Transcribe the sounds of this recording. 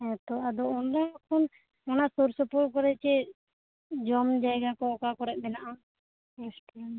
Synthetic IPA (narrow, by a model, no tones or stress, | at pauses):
ɛ̃t̪ɔad̪ɔɔnɾakʰɔn | ɔnasuɾsɔpuɾkɔɾɛt͡ʃɛ | d͡ʒɔmd͡ʒajɡakɔɔkakɔɾɛʔ̚mɛnaʔan | ɛsʈn